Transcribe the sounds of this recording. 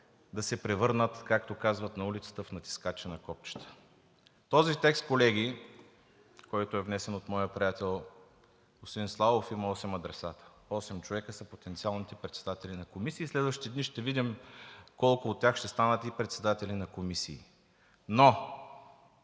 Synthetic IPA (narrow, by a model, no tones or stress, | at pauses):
d̪ɐsɛpɾɛvɤɾnət̪kakt̪okazvət̪nɐulit̪sə̥t̪əfnɐt̪i̥skat͡ʃɛnɐkɔpt͡ʃə̥t̪ə̥ | t̪ɔzit̪ɛkst̪̚kolɛɡʲi | kɔjt̪oɛvnɛsɛnot̪mɔjəpɾijat̪ɛlˠ | osinslˠavofimɐɔsɛmɐd̪ɾɛsat̪ə̥ | ɔsɛmt͡ʃovɛkəsəpot̪ɛnt̪sialˠnit̪ɛpɾɛt̪sɛd̪at̪ɛlinɐkomisiːslɛd̪vəʃt̪i̥t̪iɛd̪niʃt̪ɛvid̪imkɔlˠkʊːt̪ːʲaxʃt̪ɛst̪anət̪ipɾɛt̪sɛd̪at̪ɛlinɐkomisiː | no